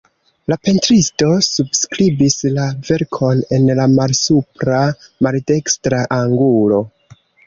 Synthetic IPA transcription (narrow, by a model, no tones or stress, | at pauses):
lape̞ntɾisto̞subskɾibislave̞ɾkʰo̞ne̞nlamalsupɾamalde̞kstɾaʔaŋɡulo̞